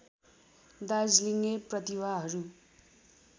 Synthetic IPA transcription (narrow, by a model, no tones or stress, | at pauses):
d̪ad͡zliŋeprʌt̪iwaɦʌɾu